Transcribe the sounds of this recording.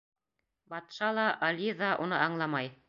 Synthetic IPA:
bɑt̪ʃɑlˠɑʔɑlʲiðɑʔunɤɑɴlˠɑmɑj

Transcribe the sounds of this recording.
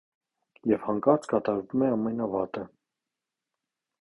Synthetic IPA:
jɛvhɑŋkɑɾt͡skɑt̪ɑɾvumɛɑmːɛnɑvɑt̪ə

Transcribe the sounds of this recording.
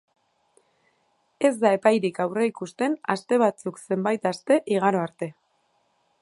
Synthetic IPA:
e̞zd̪ae̞pajɾikawre̞ikust̪e̞na̰st̪e̞β̞at͡sukse̞mbajt̪ast̪e̞ʔiɣ̞aɾo̞aɾt̪e̞

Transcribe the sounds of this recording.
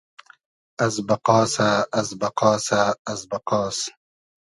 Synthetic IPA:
ɐzbɐqɑːsaːzbɐqɑːsaːzbɐqɔːs

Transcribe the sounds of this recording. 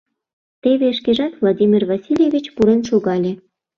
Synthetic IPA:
t̪eβeʃkeʒɑt̪vlˠad̪ʲimʲirvasʲilʲjevʲit͡ɕpuɾenʃoɣɑlʲe

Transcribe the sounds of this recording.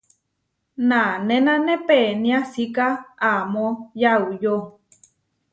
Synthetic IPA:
nãnẽnãnẽpenĩasikaamojaujo

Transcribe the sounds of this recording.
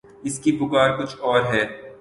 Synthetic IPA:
ɪskipʊkaːɾkʊt͡ʃʰɔːɾɦɛː

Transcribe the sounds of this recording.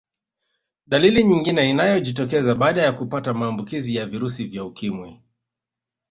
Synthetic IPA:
ɗaliliɲiŋɡinɛinajɔʄitɔkɛzaɓaːɗajakupatamaːmbukizijaviɾusivjaukimwi

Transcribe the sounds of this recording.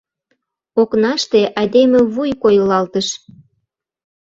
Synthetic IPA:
oknɑʃt̪eʔɑjd̪emeβujkojəlɑlt̪əʃ

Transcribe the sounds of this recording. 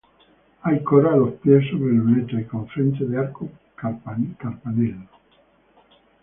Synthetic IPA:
ajkoɾalohpjesoβɾelunet̪eikõɱfɾent̪eðeaɾko | kaɾpanelo

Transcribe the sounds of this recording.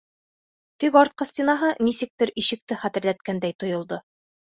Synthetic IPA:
t̪ikɑɾt̪̚qɤsʲt̪ʲinɑɦɤnisɘ̆k̚t̪ɘɾiʃɘ̆k̚t̪ɘχæt̪ɘ̆ɾlæt̪̚kænd̪æjt̪ŏjŏlˠd̪o

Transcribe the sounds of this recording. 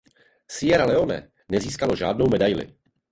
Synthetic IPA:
sɪjɛɾalɛo̞nɛ̰ | nɛziːskalo̞ʒa̰ːdno̞wmɛdajlɪ̰

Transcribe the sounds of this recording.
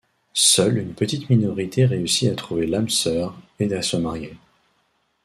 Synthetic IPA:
sœlynpət̪it̪minɔʁit̪ʰeʁeysiat̪χuvelamsœʁeasəmaʁje

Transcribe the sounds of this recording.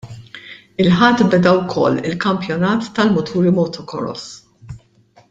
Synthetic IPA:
ɪlħɐt̪ːbɛd̪ɐwkʰɔ̰lːɪ̰lkɐmpjɔnɐːt̪ːɐlmʊt̪ʰuːɾimɔt̪ʰɔkɔ̰ɾɔ̰s

